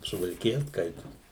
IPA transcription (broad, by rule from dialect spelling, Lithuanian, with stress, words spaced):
sʊʋɐlʲkʲɪˈjɛ ˈskɐɪtoːs